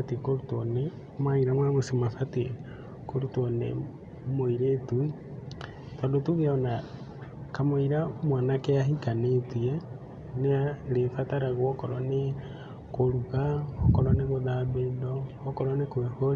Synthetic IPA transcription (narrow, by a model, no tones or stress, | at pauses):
atekoɾutɔne | mwaiɾamwaɣosimasate | koɾutɔnḛ | moiɾetu | tandotuɣeona | kamoiɾamwanakeaɦikanetiɛ | neaɾefataɾaɣwokɔɾɔne | koɾuɣaokɔɾɔneɣoðaβeːndɔokɔɾɔnekweho